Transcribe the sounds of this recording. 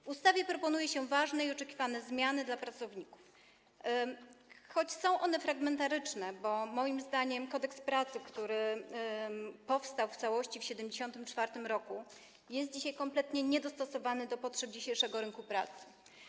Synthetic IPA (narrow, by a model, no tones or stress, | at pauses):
vust̪avʲjɛpɾɔpɔnujɛɕɛvaʐnɛiɔt͡ʂɛkʲivanɛzmʲjanɘd̪lapɾat̪sɔvɲiku̥f | xɔt͡ɕsɔ̃w̃ʔɔnɛfɾaɡmɛnt̪aɾɘt͡ʂnɛbɔmɔjimzd̪aɲɛmkɔd̪ɛkspɾat̪sɘkt̪uɾɘ | pɔfst̪awft̪sawɔɕt͡ɕifɕɛd̪ɛmd͡ʑeɕɔnt̪ɘmt͡ʂfaɾt̪ɘmɾɔku | jɛst̪̚d͡ʑiɕajkɔmplɛt̪ɲɛɲɛd̪ɔst̪ɔsɔvanɘd̪ɔpɔtʂɛb̚d͡ʑiɕejʂɛɡɔɾɘŋkupɾa̰t̪sɘ̥